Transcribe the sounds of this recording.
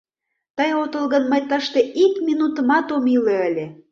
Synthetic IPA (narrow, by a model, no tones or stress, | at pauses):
t̪ɤjot̪ɤ̆lɣɤ̆nmɑ̆jt̪ɑʃt̪ĕʔikmʲinut̪ə̆mɑt̪omilĕə̆lʲĕ